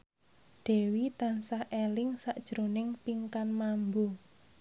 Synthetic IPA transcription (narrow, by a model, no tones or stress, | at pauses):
ɖ̥e̤wit̪ansahʔelɪŋsaʔd̥ʒ̥ɾonɪŋpiŋkanmambu